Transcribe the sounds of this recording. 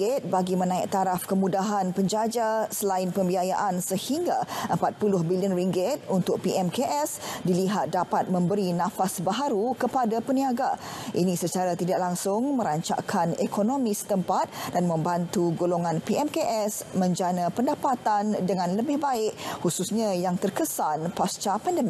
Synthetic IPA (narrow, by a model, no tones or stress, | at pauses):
ɪt̪̚baɡimənãiʔ̚t̪aɾafkəmũdaɦanpəɲd͡ʒad͡ʒasəlaɪnpəmbiaja̰ʔansəhiŋɡaʔəmpat̪̚pulʊhbiliənriŋɡɪt̪̚unt̪ʊk̚piʔɛmkeʔɛsdiliɦat̪̚dapat̪̚mə̃mbəɾinãfasbaɦaɾukəpadapəniaɡaʔinĩsət͡ʃaɾat̪idaʔ̚laŋsʊŋmə̃ɾaɲt͡ʃa̰kʰanekonomĩsə̥t̪əmpat̪̚danmə̃mbant̪uɡoloŋãnpiʔɛmkeʔɛsmə̃ɲd͡ʒanãpəndapat̪andəŋãnləbɪhbaɪʔhususɲãjaŋt̪ərkəsanpast͡ʃapandəmik